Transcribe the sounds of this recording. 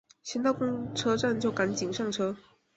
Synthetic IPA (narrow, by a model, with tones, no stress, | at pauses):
ɕjɛ˥nt̪ɑ˥˩ʊkʊ˥ŋʈ͡ʂʰɤ˥ʈ͡ʂa˥˧nt͡ɕjo˥˩ʊka˧˥nt͡ɕi˨˩ŋʂɑ˥˩ŋʈ͡ʂʰɤ˥